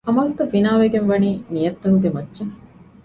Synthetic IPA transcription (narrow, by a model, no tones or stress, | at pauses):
ɐmɐlt̪ɐfinaːʋeɡenʋɐniːnijɐt̪ːɐɦuɡemɐdːd͡ʒɐŋ